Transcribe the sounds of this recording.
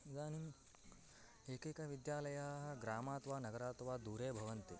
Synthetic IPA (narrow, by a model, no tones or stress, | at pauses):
d͡zaːni | ekekaʋid̪jaːlɐjaɦɡɾaːmaːt̪ʋaːnɐɡɐɾaːt̪ʋad̪uːɾeːbʱɐʋɐnt̪i